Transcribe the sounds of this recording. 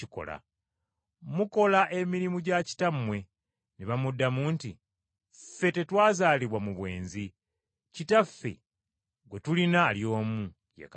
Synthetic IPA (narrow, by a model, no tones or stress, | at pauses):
iko̞̰la̰ | muko̞laʔe̞miɾimuɟaci̥tamwe̞ | neβamudːamuːnti | fe̞te̞twaːzaːliβwamuβwe̞ːnzi | citafːe̞̰ | ɡwe̞tulinaːljo̞ːmu | jḛk